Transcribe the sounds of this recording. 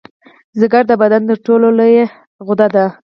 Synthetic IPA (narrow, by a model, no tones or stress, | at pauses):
zɪɡaɾd̪əbad̪ant̪əɾʈololoje | ɣʊd̪ad̪a